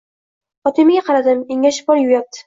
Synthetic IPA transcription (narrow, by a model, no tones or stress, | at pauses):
ɒt̪ʰemɪɡʲaqʰɑɾad̪ɪmeŋʲaʃɪ̥bɒɾjʊjap̚t̪ʰɪ̥